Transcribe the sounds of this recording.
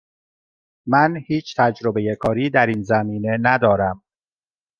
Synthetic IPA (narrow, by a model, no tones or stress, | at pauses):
mænhiːt͡ʃʰt̪ʰæd͡ʒɾo̞be̞je̞kʰɒːɾiːd̪æɾiːnzæmiːne̞næd̪ɒːɾæm